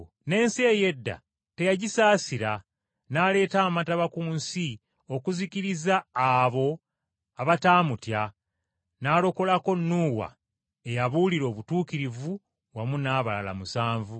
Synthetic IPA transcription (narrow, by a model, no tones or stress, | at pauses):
ne̞ːnse̞ːje̞dːa̰ | te̞jaɟisaːsiɾa | naːle̞ːtaːmataβakuːnsi | o̞kuziciɾizaːβo̞ | aβataːmutja | naːlo̞ko̞lako̞nːuːwa̰ | e̞jaβuliɾo̞ːβutuːkiɾivu | wamunaːβala̰la̰musaːɱvu